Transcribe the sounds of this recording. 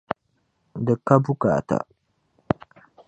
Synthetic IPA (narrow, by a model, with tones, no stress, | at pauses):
dɨ˨kːa˦bu˦ka̰˨ta̰˨